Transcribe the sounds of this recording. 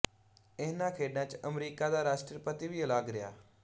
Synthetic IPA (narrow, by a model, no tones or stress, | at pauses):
ɪːnãːkʰeːɖnãːt͡ʃəmɾiːkaːd̪aːɾaːʃʈɾipət̪iːʋiːəlaːɡɾɪja̰ː